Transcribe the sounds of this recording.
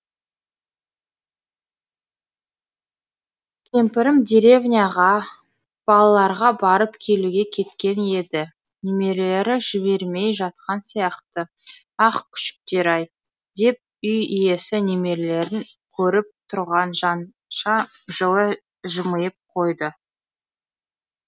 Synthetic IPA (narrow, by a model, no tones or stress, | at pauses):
k̪ʲʰe̞mpɪɾɪmd̪ʲeɾe̞vnʲijɑʁɑ | b̥ɑlˠɑlˠɑɾʁɑbɑɾəpkʲʰe̞luɡʲe̞kʲʰe̞t̪kʲe̞ne̞d̪ɪ | neme̞ɾle̞ɾɪʒɪbe̞ɾme̞jʒɑt̪̚qʰɑnsijɑqt̪ə | ɑqkʲʰʏ̥ʃɪ̥k̚t̪e̞ɾɑj | d̪̥e̞p̚ʏjije̞sɪneme̞ɾle̞ɾɪŋ | kʲʰɵɾɪp̚t̪ʰʊɾʁɑnʒɑn | ʃɑʒəlˠə | ʒəməjəp̚qʰo̞jd̪ə